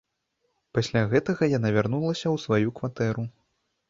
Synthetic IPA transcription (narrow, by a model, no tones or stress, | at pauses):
pasʲlʲaɣɛt̪ɐɣɐjanavʲarnulˠɐsʲɐwsvajukvat̪ɛɾu